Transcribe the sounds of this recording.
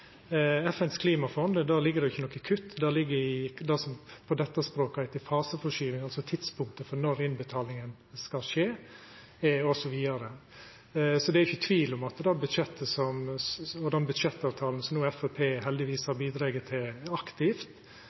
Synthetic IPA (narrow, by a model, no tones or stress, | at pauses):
ɛfɛnskʰliːmɑfɔnd̪d̪æːlɪɡːəd̪ɛjʊɪçːənɔkːɪkʰʉt̪ːd̪æːɾlɪɡːəɾɪd̪æsɔmpʰɔd̪ɛt̪ːəspɾoːkɪt̪ɪfɑːsəfɔʂyːʋɪŋɑlsɔt̪ʰɪd̪spʰʊŋk̚t̪əfɔɾnɔɾɪnbət̪ʰɑːlɪŋən | skɑlʂeː | ɔsɔʋiːɑɾə | sɔd̪ɛæɾjʊçːət̪ʰʋiːlʊmɑt̪d̪ɑbʉd̪ʂɛt̪ːəsɔmɔd̪ɛnbʉd̪ʃɛt̪ːɑːʋt̪ʰɑːln̩əsɔmnuːɛfɛpʰeːɦɛld̪ɪʋiːshɑɾbiːd̪ɾɑːɡət̪ʰɪlɑkt̪ɪft̪